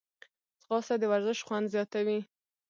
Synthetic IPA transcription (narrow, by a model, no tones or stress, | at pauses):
sɣɑsad̪əwaɾzəʃχwand̪zjɑt̪awi